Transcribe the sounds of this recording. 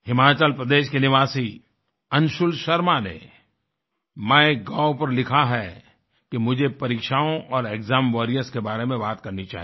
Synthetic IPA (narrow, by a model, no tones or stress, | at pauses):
hɪmaːt͡ʃəlpɾɐd̪eːʃkenɪʋaːsi | ɐ̃nʃʊlʃɐɾmanḛ | mɛ̃eɡaːʊpɐɾlɪkʰaɦɛ | kemʊd͡ʒʱepɐɾiːkʃaːõʔɔːɾeːkzaːmʋɔːɾijəskebaːɾemẽbaːt̪kɐɾnit͡ʃa̰ːɦi